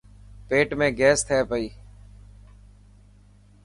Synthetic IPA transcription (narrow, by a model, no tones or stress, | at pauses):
peːʈmẽːɡɛːst̪ʰeːpəiː